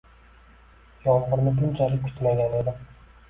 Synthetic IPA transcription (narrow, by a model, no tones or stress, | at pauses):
jɒlˠqʊɾnɪb̪ʊnt͡ʃʰalɪkʰʊ̥t̪ʰmaɡʲane̞d̪ɪ